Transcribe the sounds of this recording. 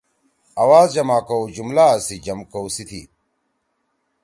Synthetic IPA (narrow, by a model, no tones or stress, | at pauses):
ɐwaːzd͡ʑɐmaːkowd͡ʑumlasid͡ʑɐmkowsit̪ʰḭ